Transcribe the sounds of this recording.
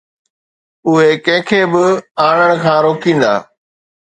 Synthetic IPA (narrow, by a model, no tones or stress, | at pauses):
ʊɦekɛ̃ːɪ̃kʰeːbɪaːɽəɽ̃ʊ̆kʰãːɾoːkĩːn̆d̪a̰ː